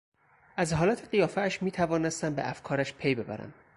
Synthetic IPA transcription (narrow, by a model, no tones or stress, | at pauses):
ʔæzɦɒːlæt̪ʰeɢijɒːfæːʃmiːt̪ʰævɒːnest̪æmbeʔæfkʰɒːɾæʃpʰe̞jbe̞bæ̰ɾæ̰nd̪